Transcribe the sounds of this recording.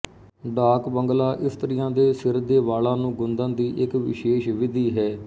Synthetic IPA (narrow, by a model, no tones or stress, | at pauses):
ɖaːkbəŋɡlaːʔɪpʰt̪ɾɪjãːd̪eːsɪɾd̪eːʋaːlãːnũːɡʊnd̪ãːd̪iːʔɪkʋɪ̰ʃeːʃʋɪd̪iːɦɛː